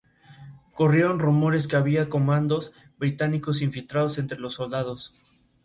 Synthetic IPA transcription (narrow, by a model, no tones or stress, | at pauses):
ko̞rje̞ɾo̞nrumo̞ɾe̞ske̞aβiako̞mãnd̪o̞s | bɾit̪aniko̞siɱfilt̪ɾaðose̞nt̪ɾe̞lo̞sːo̞ld̪að̞o̞s